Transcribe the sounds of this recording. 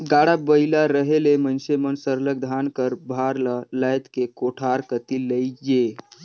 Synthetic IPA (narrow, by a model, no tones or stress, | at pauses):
ɡaɽabəilaɾəɦelemənsemənsəɾləɡ̚d̪ʱankəɾbʱaɾlələjt̪kekoʈʰaɾkət̪iləjd͡ʒe